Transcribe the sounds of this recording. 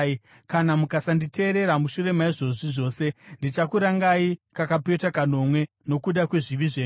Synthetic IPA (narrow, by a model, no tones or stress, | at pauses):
kanamukasanditʰe̞ːɾe̞ɾamuʃuɾe̞maiʐo̞ʐiʐo̞ːse̞ndit͡ʃakuɾaŋɡaikakape̞takano̞mwe̞ | no̞kuɗakwe̞ʐiʋiʐeː